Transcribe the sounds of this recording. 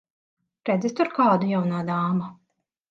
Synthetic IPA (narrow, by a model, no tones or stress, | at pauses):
pɾɛd̪zɛst̪uɾkɑːd̪ujawnaːd̪aːma